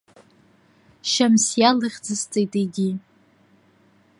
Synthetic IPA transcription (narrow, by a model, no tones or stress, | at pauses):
ʃamsjalɨχʲd͡zɨst͡sʼejtʼeɡʲi